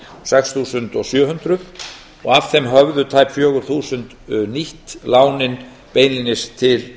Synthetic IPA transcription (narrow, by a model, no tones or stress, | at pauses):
sɛksθuːsʏnt̪ɔɣsjœːɦʏnt̪ɾʏθ | ɔ̰ɣav̥θɛmɦœɣðʏt̪ʰaːjpfjœːɣʏɾ̥θuːsʏnt̪niht̪laːwnɪn | peːjnlinɪst̪ʰɪl